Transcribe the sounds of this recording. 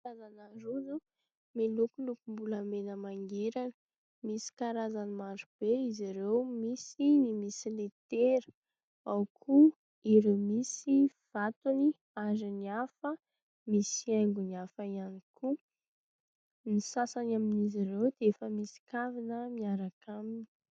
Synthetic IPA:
azanaɾuzu | milukulukumbuləmenəmaŋɡeɾanə | misi̥kaɾazanimaɖ͡ʐub̥eiziɾewmisinimisilet̪eɾə | awkʰu | iɾimisiv̥at̪uni | aziniafə | misiajŋɡuniafəianikʰu | nisasanaminiziɾewd̪eefəmisi̥kavinəmiaɾakʰamini̥

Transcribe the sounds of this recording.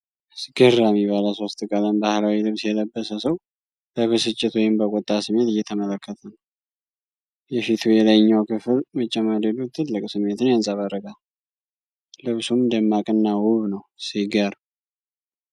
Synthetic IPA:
sɡ̥ɨɾːamibaləso̞st̪ʼkʼələmbahlawilɨβsjɛləbːəsəsəw | b̥əβɨsɨt͡ʃʼːɪt̪wɔjɪmbəkʼot̪ʼːasɨmːe̞t̪ɨjːɛt̪ʰəmələkʰːət̪ʰən | jɛfit̪ʰujɛləjɲːawkʰɨfɨlmət͡ʃʼːɛmad̪elut̪ʰɨlːɨkʼsɨmːe̞t̪ɨnjansʼaβaɾəɡʼa | lɨβsumd̪əmːakʼɨnːawʊβnəwsiɡaɾ

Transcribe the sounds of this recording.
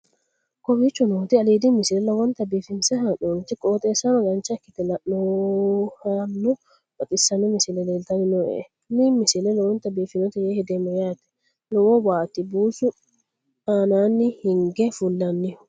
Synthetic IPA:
kɔbit͡ʃːɔnoːt̪ɪɐliːd̪ɪmɪsɪlɛlɐwɔnt̪ɐbiːfɪnsɛɦanoːnt̪ɪkʼoːt̪ʼeːsanɔɡɐnt͡ʃɐkːɪt̪ɛlɐnɔ | hanːɔ | bɐt̪ʼɪsːɐnɔmɪsɪlɛlelt̪ɐnɪnɔɛ̰ | mimːɪsɪlɛlɐwɔnt̪ːɐbiːfɪnɔt̪ɛjeːhɛd̪ɛmɔjaːt̪ɛ̥ | nɔwɔbaːt̪ɪbuːsʊ | aːnaːnːɪhɪŋɡɛfʊlːɐnːɪ

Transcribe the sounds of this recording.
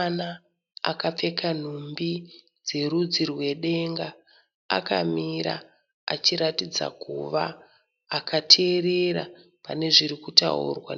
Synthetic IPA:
na | a̰kap͡fe̞kan̤umbi | d͡ze̞ɾud͡zirwe̞ɗe̞ŋɡa | a̰ka̰miɾa̰ | a̰t͡ʃiɾatid͡za̰kuʋaː | katʰeːre̞ɾa | pane̞ʐiɾikuta̰ṵrwa̰

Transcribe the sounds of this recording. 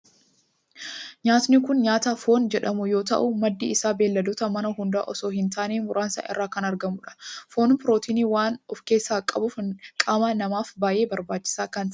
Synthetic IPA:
ɲaːt̪nɪkʊnɲaːt̪aːfo̞ːnd͡ʒɛᶑɐmʊjo̞ːt̪ɐ̰ʔʊmɐd̪ːḭɪsaːbe̞ːlːɐd̪oːt̪ɐmɐnɐɦʊnd̪a̰ːʔɔso̞ːhɪnt̪ʰaːneːmʊɾaːnsa̰ːʔɪ̰rːaːkɐnɐɾɡɐmʊᶑɐ̥fo̞ːnpɪɾoːt̪iːniːwaːnɔfke̞ːsːaːkʼɐbʊfkʼaːmaːnɐmaːfbaːje̞ːbɐɾbaːt͡ʃːɪ̥saːkɐn

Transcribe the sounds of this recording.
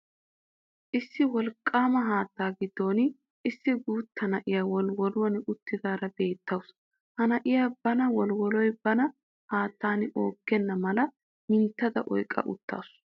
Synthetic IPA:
ʔɪsːɪwɔlkʼːaːmɐɦaːt̪ːaːɡɪd̪ːo̞ːn | ɪsːɪɡuːt̪ːɐnɐʔɪjaːwɔlwɔlwɔnʊt̪ːɪd̪aːɾɐbe̞ːt̪ːɐws | hɐnɐʔɪjaːbɐnɐwɔlwɔlɔjb̥ɐnɐ | haːt̪ːaːno̞ːɡːɛnːɐmɐlɐ | mɪnt̪ːɐd̪ɐʔɔ̰jkʼːɐ̰ʔʊ̰t̪ːa̰ːsʊ

